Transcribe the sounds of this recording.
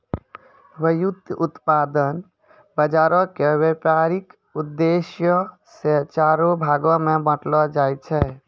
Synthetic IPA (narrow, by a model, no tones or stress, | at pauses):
bəjud̪ʱut̪pad̪ən | bəd͡ʒaɾɔkewepaɾik | ud̪ːesjə | set͡ʃaɾobʱaɡɔmebə̃ʈlɔd͡ʒajt͡ʃʰɛ